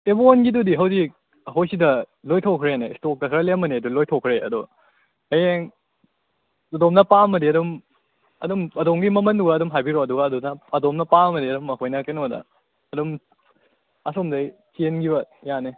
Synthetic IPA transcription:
ebonɡidudiɦɐwzi | ɦojsidɐlojtʰokʰɾeenestokːɐkʰɾɐlemɐneɐdulojtʰokʰɾeɐ̰do | ɐjeŋ | ɐdomnɐpamɐdiɐdɔm | ɐdɔmɐdomɡimɐmɐnduɡɐːdumɦajbiɾoɐduɡɐːdonɐɐdomnɐpamɐdiɐdumɐɦʰojnɐkenodɐ̰ | ɐdɔm | ɐsomdɐjt͡ʃenɡiβɐjane

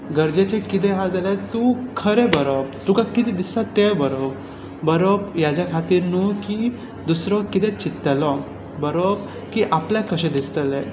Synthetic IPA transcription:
ɡəɾd͡ʑet͡ɕekit̪̬ɛɦad͡zalɛt̪ukʰəɾebəɾobt̪ukakit̪id̪isat̪ːebəɾob | bəɾobjat͡ɕjakʰat̪iːɾnuki | d̪usɾɔkit̪ɛ̃t͡ɕit̪ːəlɔ | bəɾob | kiʔapljakəɕẽd̪ist̪əle

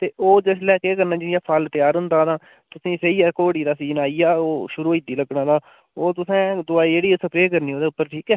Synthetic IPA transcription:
t̪eːʔoːd͡ʒes̬lɛːkeːkəɾnaːd͡ʒɪnijaːpʰalt̪ɪjaːɾʊ̃nd̪aːd̪ãː | t̪ʊsĩːseiːɛːkoːɽiːd̪aːsiːnaːijaːoːʃʊɾuːid̪iːləɡɽãːd̪aː | oːt̪ʊsɛ̃ːd̪ʊaːiːd͡ʒeːɽiːsəpɾeːkəɾniːɦoːd̪eːʊpːəɾʈʰiːkɛː

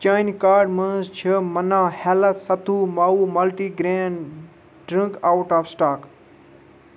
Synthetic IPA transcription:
t͡ʃaːjnkaːɾɖmənzt͡ʃʰəmɐnãːhɛːləsɐt̪ʰuːmaːuːmɐlʈiːɡɾẽːn | ɖɾĩŋkaːwʈaːfsʈaːk

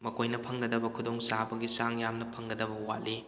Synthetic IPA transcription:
mɐkojnɐpʰɐŋɡɐdɐbɐkʰudoŋsabɐɡisaŋjamnɐpʰɐŋɡɐdɐbɐwatli

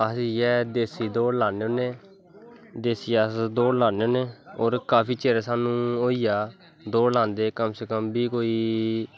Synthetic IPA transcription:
əsijɛːd̪eːsiːd̪oːɽlaːneːõːneː | d̪eːsiːəsd̪oːɽlaːneoːneːoːɾkaːpʰiːt͡ʃeːɾaːsaːnũːoːiːjaː | d̪oːlãːnd̪eːkəmsəkəmbiːkoːiː

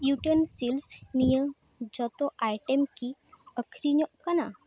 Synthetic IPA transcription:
juʈənsilsnijə | d͡ʑɔt̪ɔʔajʈemkiəkʰɾiɲɔkana

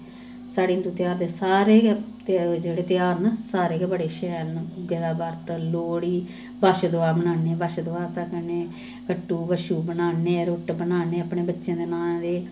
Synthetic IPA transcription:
saːɽiːnt̪uːt̪ɪjaːɾd̪eːsaːɾeːɡɛ | d͡ʒeːɽeːt̪ɪjaːɾnaːsaːɾeːɡɛːbəɽeːʃɛːlnʊɡeːd̪aːbəɾt̪əloːɽiː | baʃd̪ʊaːbənaːneːbəʃd̪ʊaːsəkneː | kəʈːuːbəʃuːbənaːneːɾoʈbənaːneːapneːbətːʃẽːd̪eːnãːd̪eː

